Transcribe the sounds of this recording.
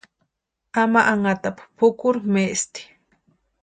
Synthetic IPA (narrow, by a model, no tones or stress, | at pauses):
amaʔaŋat̪appʰʊkʊɾmeʔst̪i̥